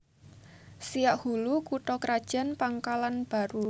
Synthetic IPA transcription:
sijaʔhulukuʈɔkɾad̥ʒ̥a̤npaŋkalanb̥a̤ɾu

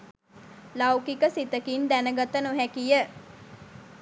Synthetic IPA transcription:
lawkikəsit̪əkind̪ænəɡat̪ənoɦækijə

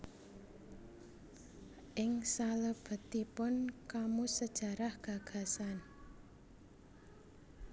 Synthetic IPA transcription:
ʔɪŋsaləb̥ə̤t̪ipʊnkamusəd̥ʒ̥a̤ɾahɡ̥a̤ɡ̥ä̤san

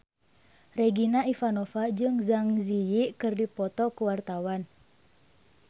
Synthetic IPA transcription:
reɡinaʔifanɔfad͡ʒɨŋzaŋzijiʔkɨrdipɔt̪ɔkuwart̪awan

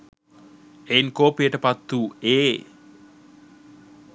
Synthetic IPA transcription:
enkopeʈəpat̪ːue

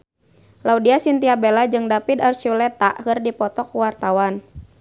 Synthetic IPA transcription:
laudiasint̪iabelad͡ʒɨŋdapid̪art͡ʃulɛt̪aʔhɨrdipɔt̪ɔkuwart̪awan

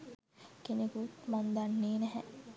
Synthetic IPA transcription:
kenekut̪mand̪anːeːnɛɦɛ

